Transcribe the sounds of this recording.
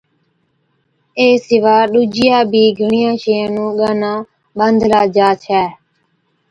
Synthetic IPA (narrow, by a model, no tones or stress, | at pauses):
eːsɪʋaːɗuːd͡ʒɪjaːbʱiːɡʱəɳɪjãːʃeːãːnũːɠaːnãː | ɓənd̪laːd͡ʒaːt͡ʃʰɛː